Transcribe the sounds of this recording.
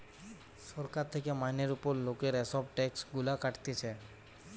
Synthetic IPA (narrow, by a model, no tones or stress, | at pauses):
sɔɾkaɾt̪ʰekemajneɾupɔɾlokeɾɛsɔbʈɛksɡulakaʈt̪et͡ʃʰɛ